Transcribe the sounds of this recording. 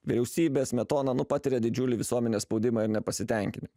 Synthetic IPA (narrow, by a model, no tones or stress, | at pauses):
ʋʲɪɾʲɛʊsʲiːbʲeːsmʲɛt̪oːnɑnʊpɑːt̪ʲɪɾʲɛd̪ʲɪd͡ʒʲʊlʲɪʋʲɪsuɔmʲɛnʲeːspɒʊd̪ʲɪmɑɪɾnʲɛpɐsʲɪt̪ʲɛˑŋʲkʲɪnʲɪm